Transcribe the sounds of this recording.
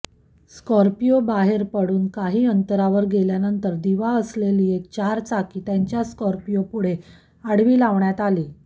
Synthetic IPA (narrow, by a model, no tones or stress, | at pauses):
skɔɾpijobaɦeɾpəɽuːnkaɦiːənt̪əɾaʋəɾɡeljanənt̪əɾd̪iʋaəsleliet͡ɕaɾt͡sakiːt̪jaɲt͡ɕjaskɔɾpijopuɽ̤e | aɽʋiːlaʋɳjat̪aliː